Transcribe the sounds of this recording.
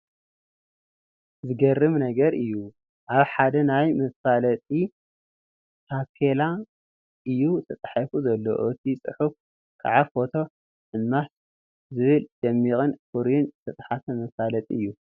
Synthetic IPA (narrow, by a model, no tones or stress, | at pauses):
zɨɡɐrːɨmnɐɡɐɾɨjːu | ʔaβħad̪ɐnajmɐsalɐt̪ʼi | t̪ʰakʰela | ʔɨjːut̪ʰɐt͡s̪ʼħafuzɐlːo̰ʔɨt̪ʰit͡sʼɨħuf | kʰa̰ʕafo̞t̪ʰo̞ | ʔɨmːas | zɨβɨld̪̥ɐmːikʼɨnkʰuɾijunɨt̪ʰɐt͡s̪ʼħasɐmɐsalɐt̪ʼḭɨjːu